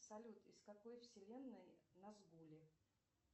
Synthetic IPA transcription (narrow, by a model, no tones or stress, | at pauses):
sɐlʲut̪ɪskɐkojfsʲɪlʲenːəjnɐzɡulʲɪ